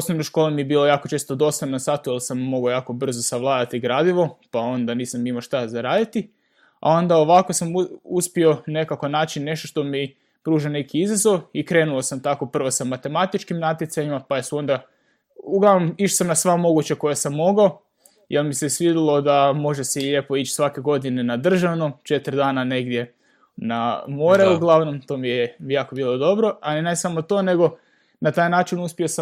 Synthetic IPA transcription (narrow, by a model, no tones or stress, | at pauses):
osnoʋnojʃkolemijebiːlˠo̞jaːkot͡ʃe̞ːst̪od̪o̞sannasaːt̪ujelˠsamːo̞ɡaojaːko̞br̩zosaʋlˠaːd̪at̪iɡɾaːd̪iʋo̞pao̞nd̪aniːsamimoʃt̪azaɾaːd̪it̪i | a̰o̞nd̪aoʋako̞samuspio̞ne̞kakonaːt͡ʃinːe̞ʃt̪oʃt̪o̞mi | pɾuːʒane̞kiizazo̞ʋikɾe̞nulˠosamt̪ako̞pr̩ʋosamat̪e̞mat̪it͡ʃkimnat̪jetsaɲimapajesuo̞nd̪a | uɡlˠaʋno̞miʃo̥samnasʋamo̞ɡut͡ɕako̞jesamːo̞ɡao | jelmisesʋid̪ilˠo̞d̪amo̞ʒeseʎepo̞it͡ɕsʋake̞ɡo̞d̪inenad̪r̩ʒaʋnut͡ʃe̞t̪ɾd̪aːnane̞ɡd̪je̞ | namo̞ɾeuɡlˠaʋno̞mt̪o̞ːmijejaːko̞biːlˠo̞d̪o̞bɾo̞alinasamot̪o̞ːne̞ɡo̞ | nat̪aːjnaːt͡ʃinuspiosa